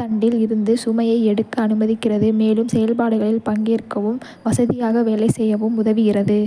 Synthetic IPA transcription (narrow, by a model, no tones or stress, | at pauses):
t̪ɐɳɖɪlɪɾɯnd̪ɯsʊmɐjɐɪɛɽɯkːɯɐnɯmɐðɪkːɪrɐðɯmeːlɯmsɛjɐlpaːɽɯɣɐɭɪlpɐŋɡeːrkːɐʋɯm | ʋɐsɐðɪjaːɣɐʋeːlɐɪsɛjːɐʋɯmʊðɐʋɪɣɪrɐðɯ